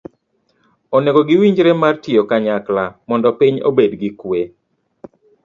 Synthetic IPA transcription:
oneɡoɡɪwiɲd͡ʒɾemartɪokaɲaklamɔndɔpiɲo̰bedɡikwe

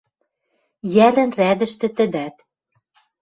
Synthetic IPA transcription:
jælæ̆nræd̪ɘ̆ʃt̪ɘ̆t̪ɘ̆d̪æt̪

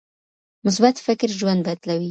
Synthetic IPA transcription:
mʊs̬bat̪fɪkɾʒwand̪̚bad̪lawi

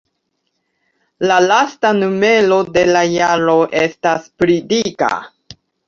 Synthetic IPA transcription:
lalastanume̞lo̞de̞lajaɾo̞ʔe̞staspɾidika̰

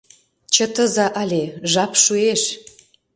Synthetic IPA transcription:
t͡ɕə̆t̪ə̆zɑʔɑlʲeʒɑpʃueʃ

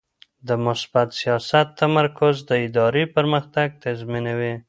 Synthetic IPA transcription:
d̪əmʊsbat̪sijɑsat̪ːamaɾkʊzd̪əɪd̪ɑɾepəɾməxt̪aɡ̚t̪azminawe

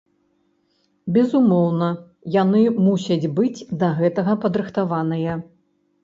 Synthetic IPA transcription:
bʲɛzumɔwnɐ | janɨmusʲɐd͡zʲbɨd͡zʲd̪ɐɣɛt̪ɐɣɐpɐd̪ɾɨxt̪avanɐjɐ

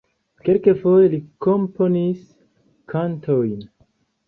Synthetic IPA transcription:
kelkefo̞jeliko̞mpo̞nis | kʰantʰo̞jn

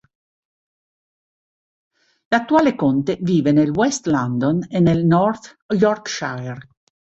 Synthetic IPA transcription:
lat̪ːuaːlekont̪eviːvenelwɛst̪land̪onenelnɔrt̪ | jɔrkʃar

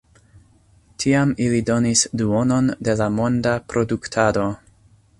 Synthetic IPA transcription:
tʰiamilido̞nisduo̞no̞nde̞lamo̞ndapɾo̞duktʰado̞

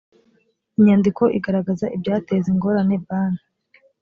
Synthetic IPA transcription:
iɲaːndiko̞ʔiɡaɾaɡazaʔibɟaːteziŋɡo̞ːɾane̞baːna

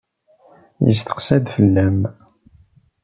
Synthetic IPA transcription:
jə̰st̪ə̥qsæd̪fəlːæm

